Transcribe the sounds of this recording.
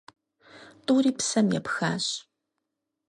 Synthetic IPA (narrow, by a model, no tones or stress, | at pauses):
tʼʊːɾiːpsɐmjɛ̰pxaːɕ